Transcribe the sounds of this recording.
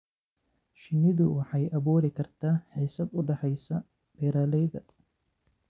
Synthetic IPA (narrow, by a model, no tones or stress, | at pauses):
ʃɪnːɪðʊwɑħɑjʔɐβuːɾɪkʰɐrt̪ʰaːħiːsɐd̪ʊɖɑħɛjsɐ | b̥ɛːɾaːlɛjðɐ